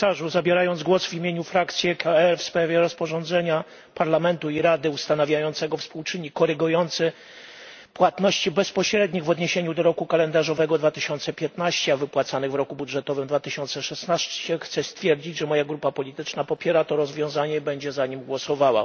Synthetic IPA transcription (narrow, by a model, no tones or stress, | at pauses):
saʐuzabʲjɛɾajɔnd̪zɡwɔsvʲimʲjeɲufɾakt̪sʲjikʰaɛlfspɾavʲjɛɾɔspɔʐɔnd̪zɛɲa | paɾlamɛnt̪uiɾad̪ɘust̪anavʲjajɔnt̪sɛɡɔfspuwt͡ʂɘɲikɔɾɘɡujɔnt̪sɛ | pwat̪nɔɕt͡ɕibɛspɔɕɾɛd̪ɲiɣvɔd̪ɲeɕeɲud̪ɔɾɔkukalɛnd̪aʐɔvɛɡɔd̪vat̪ɘɕɔnt̪sɛpʲjɛt̪naɕt͡ɕɛavɘpwat̪sanɘɣvɾɔkubudʐɛt̪ɔvɘmd̪vat̪ɘɕɔnt̪sɛʂɛsnaɕt͡ɕɛxt̪sɛst̪fʲjɛɾd͡ʑid͡ʑʐɛmɔjaɡɾupapɔlʲit̪ɘt͡ʂnapɔpʲjɛɾat̪ɔɾɔzvʲjɔ̃w̃zaɲɛibɛɲd͡ʑɛzaɲimɡwɔsɔvawa̰